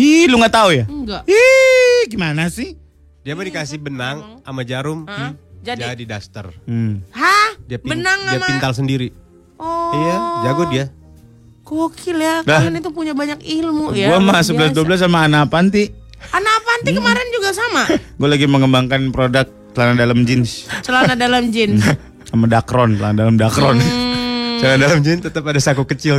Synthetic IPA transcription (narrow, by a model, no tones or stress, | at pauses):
iluŋɡat̪aujaɡaiɡimanasɪh | diabadikasɪhbənaŋamad͡ʒaɾʊmd͡ʒd͡ʒadidast̪ərhadiapbibənaŋadiamint̪als̬əndiɾi | ɔijad͡ʒaɡʊdia | kookʰɪljakdanit̪upuɲabaɲakilmujɡauamas̬əbbəlas̬duabəlas̬amaːnapant̪i | anapant̪ikəmaɾɛnd͡ʒuɡasamaɡualaɡiməŋəmbaŋkanpɾodak̚t͡ʃəlanadalamd͡ʒɪnst͡ʃəlanadalamd͡ʒɪn | samadakɾɔnt͡ʃəlanadalamdakɾɔn | t͡ʃlanadalamd͡ʒɪnt̪ət̪əpadasakukət͡ʃɪl